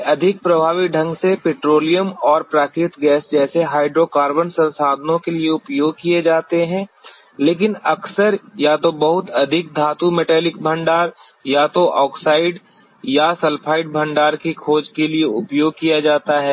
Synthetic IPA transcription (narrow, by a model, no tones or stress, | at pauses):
ʔɐd̪ʱɪk̚pɾɐbʱaːʋiɖʱɐ̃ŋɡsepeːʈɾoːlijəmɔːɾpɾaːkɾɪt̪ɡɛːsd͡ʒɛːseɦaːɪɖɾokaːɾbənsɐ̃nsaːd̪ʱənõkelieʊpjoːɡ̚kied͡ʒaːt̪eɦɛ̃ː | leːkɪnɐksəɾjat̪obɐɦʊt̪ɐd̪ʱɪk̚d̪ʱaːt̪umeʈɛːlɪkbʱɐ̃ɳɖaːɾ | jat̪oʔɔːksaːɪɖ | jasɐlpʰaːɪɖ̚bʱɐ̃ɳɖaːɾkikʰoːd͡ʒkelieʊpjoːɡ̚kijad͡ʒaːt̪aɦɛː